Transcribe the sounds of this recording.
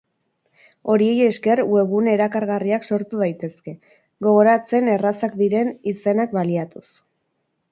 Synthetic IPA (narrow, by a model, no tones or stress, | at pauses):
o̞ɾie̞je̞ske̞rwe̞ɣune̞ɾakaɾɣariakso̞ɾt̪uð̞ajt̪e̞ske̞ | ɡo̞ɣo̞ɾat͡se̞ne̞rasakd̪iɾe̞nise̞nakbaliat̪us